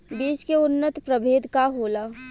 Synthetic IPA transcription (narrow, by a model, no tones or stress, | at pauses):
beːt͡ʃkeʊnːət̪pɾəbʱeːd̪kaɦoːla